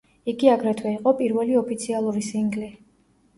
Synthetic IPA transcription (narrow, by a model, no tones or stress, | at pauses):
iɡiaɡɾɛt̪ʰwɛiqʼɔpʼiɾvɛliɔpʰit̪sʰialˠuɾisiŋɡli